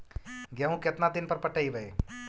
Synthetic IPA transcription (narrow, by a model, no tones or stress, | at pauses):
ɡeɦũket̪nad̪ɪnpəɾpəʈəibəe